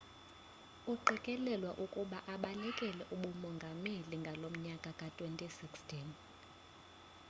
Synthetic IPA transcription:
uǃʱikʼɛlɛlwaʔukʼuɓaʔaɓanikʼɛlɛʔuɓumɔŋɡʱameliŋɡʱalom̩ɲakʼakʼatʼwentʼisikstʰʼin

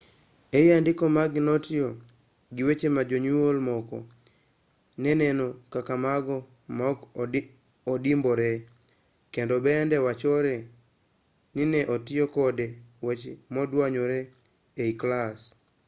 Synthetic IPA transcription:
ejandɪkɔmaɡnotɪo | ɡɪwet͡ʃemad͡ʒoɲuolmɔkɔ̰ | nɛnɛnɔkakamaɡɔ | m | odimbɔɾɛ | kendɔbɛndɛwat͡ʃɔɾɛ | nɪnɛʔotɪjokɔdewet͡ʃmɔdwaɲoɾɛ | eiklas

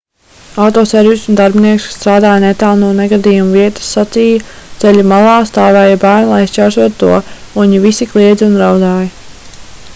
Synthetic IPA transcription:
awt̪ɔːsɛɾvisund̪aɾbiniɛksst̪ɾaːd̪aːjnɛt̪aːlˠnuːnɛɡad̪iːjumviɛt̪ə̥sːat̪sijɐt̪sɛlʎumalˠɑːst̪aːvɛːjɐbæːɾnulˠajist͡ʃaɾʃuɔt̪ːṵɔ | uɲivisiklˠiɛd̪zʲunɾawd̪aːjɐ

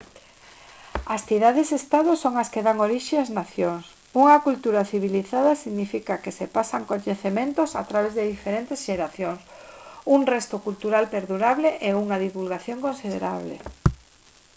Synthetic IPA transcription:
asθiðaðesest̪aðʊsoŋaskeðaŋoɾiʃeaznaθjoŋs | uŋɐkult̪uɾaθiβ̞iliθaðɐsiɣnifikakesepasaŋkoɲeθemẽnt̪osa̰t̪ɾaβezðeðifeɾent̪esʃeɾaθjoŋsuŋrɛst̪ʊkult̪uɾalpeɾðuɾaβleʔeuŋaðiβulɣaθjoŋkõnsiðeɾaβlḛ

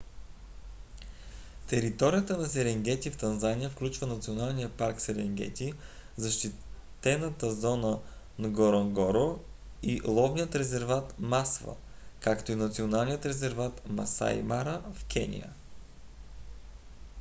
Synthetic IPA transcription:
t̪ɛɾit̪ɔɾijət̪ənɐsɛɾɛŋɡɛt̪ʲift̪ɐnzanijəfklʲut͡ʃvənɐt̪sionalˠnijəpaɾksɛɾɛŋɡ̟ɛ̰t̪ʲi | zɐʃt̪it̪ɛnət̪əzɔnə | nɡoɾoŋɡɔɾo | ilˠɔvnijət̪ɾɛzɛɾvat̪masvə̰ | kakt̪oinɐt̪sionalˠnijət̪ɾɛzɛɾvat̪mɐ̰sa̰jmaɾəfk̟ʰɛ̰nʲḭjə̰

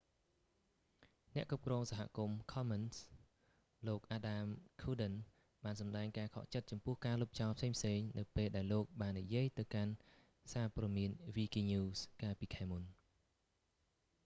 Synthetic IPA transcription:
nɛ̆əʔkrup̚krɔːŋsaɦa̰kumkʰɑməns | loːk̚ʔaːɗaːmkʰuːɗən | ɓaːnsɑmɗaɛŋkaːkʰɑ̰ʔt͡ɕət̪̚t͡ɕɑmpʊəhkaːlup̚t͡ɕɑɔlpʰseːŋpʰseːŋnɨwpeːlɗaɛlːoːk̚ɓaːnːḭjiəjt̪ɨwkan | saːpɔːdmiənʋiːkiːɲuːskaːlpiːkʰaɛmun

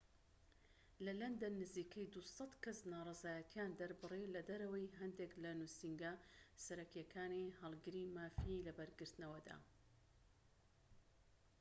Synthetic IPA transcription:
lɐlɐnd̪ɐnːɨziːkʰɐjd̪usɑt̪kɐsnaːrˤɑzaːjɐt̪ʰjaːnd̪ɐɾbɨrilɐd̪ɐɾɐwɐjɦɐnd̪eklɐnusiŋɡasɐɾɐkjɐkʰaːnihɐlˠɡɨɾimaːfilɐbɐɾɡɨɾt̪nɐwɐd̪a̰ː

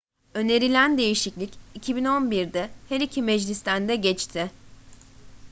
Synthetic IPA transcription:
ø̞ne̞ɾilʲænd̪e̞jiʃiclʲicicʰibino̞nbiɾd̪ɛhɛɾicʰimɛd͡ʒlʲist̪ʰænd̪ɛɟɛt͡ʃt̪ʰɪ

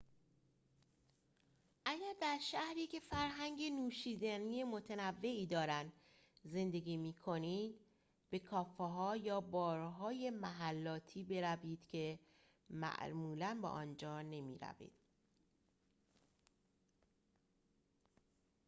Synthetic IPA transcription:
ʔæɟæɾd̪æɾʃæhɾiːcʰe̞fæɾɦæŋɟe̞nuːʃiːd̪æniːjemo̞t̪ʰænævːe̞iːd̪ɒːɾænd̪ | ze̞nd̪e̞ɡiːmiːkʰo̞niːd̪ | b̥e̞kʰɒːfeɦɒːjɒːbɒːɾɦɒːje̞mæɦælːɒːt̪ʰiːbe̞ɾæviːd̪̥cʰe̞ | mæ̰ʔmuːlænbɒ̰ːʔɒnd͡ʒɒːne̞mḭːɾæ̰vḭːd̪̥

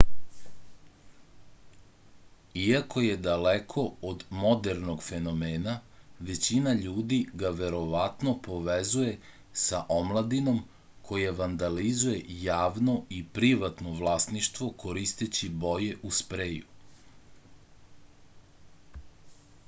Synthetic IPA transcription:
iako̞je̞d̪alekʰo̞od̪mo̞d̪eɾno̞ɡfe̞no̞meːnaʋe̞t͡ɕinaʎuːd̪iɡaʋe̞ɾo̞ʋat̪no̞po̞ʋezuje̞ | saʔo̞mlˠad̪ino̞m | kʰo̞jeʋand̪alizuje̞jaːʋno̞ipɾiʋat̪no̞ʋlˠaːsniʃt̪ʋo̞kʰo̞ɾist̪et͡ɕibo̞jeʔuspɾeːju

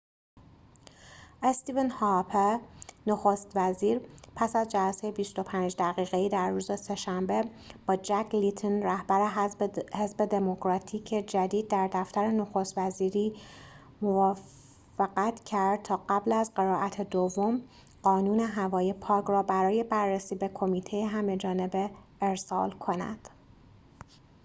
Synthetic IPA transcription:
ʔest̪iːvenhɑpʰenoxost̪væziːɾpʰæsæzd͡ʒælæsejebist̪o̞pʰæːnd͡ʒd̪æɣiːɣeiːd̪æɾːuːzese̞ʃæmbe | b̥ɒːd͡ʒækʰlit̪ʰonræhbæɾe̞he̞zbe̞d̪e̞mo̞kʰɾɒːt̪ʰiːcʰed͡ʒæd̪iːd̪̚ːæɾd̪æft̪æɾe̞no̞xo̞st̪væziːɾiː | movɒːf | eɣæt̪ʰcʰæɾd̪̥̚t̪ʰɒːɢæblæzɢe̞ɾɒːʔæt̪ʰed̪ovːo̞m | ɢ̥ɒːnuːne̞ɦævɒːjepʰɒːkɾɒːbæɾɒːje̞bærːesiːbe̞kʰo̞miːt̪ʰejeɦæme̞d͡ʒɒːne̞be̞ | eɾsɒ̰ːlkʰo̞næ̰d̪̥

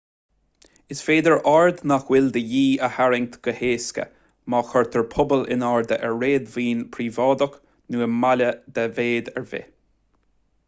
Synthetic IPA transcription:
ɪsfeːd̪əɹʔaɹd̪naxwɪld̪əjiːəhaɹɪŋ̚t̪ɡ̥əheːskə̰ | maːxɔɹt̪ʰəɹpʰʊbəlɪ̰naɹd̪əʔɛɹɹeːd̪viːnpʰɾiːvɑːd̪ɔk | nuːəmaləd̪ɛveːd̪ɛ̰ɹvɪ̰

